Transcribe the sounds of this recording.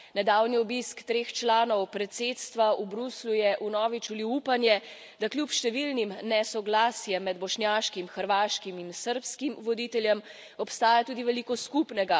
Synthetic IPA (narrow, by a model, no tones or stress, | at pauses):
nɛd̪aːwniɔbiskt̪ɾeːxt͡ʃlaːnɔwpɾɛt̪seːt̪st̪ʋaubɾuslujɛʔunɔːʋit͡ʃuliupanjɛ | d̪aklʲjupʃt̪ɛʋilnimnɛsɔɡlaːsjɛmːɛd̪̚bɔʃnʲjaːʃkimxəɾʋaːʃkiminsəɾpskimʋɔd̪it̪ɛljɛm | ɔpst̪aːjat̪uːd̪iʋɛliːkɔskupnɛɡa